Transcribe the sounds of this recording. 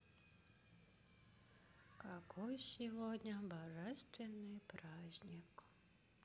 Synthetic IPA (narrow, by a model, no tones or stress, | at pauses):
kakɔjsʲivɔd̪ʲnʲɐbaʐɛst̪vʲɛnːɨjpɾazʲnʲik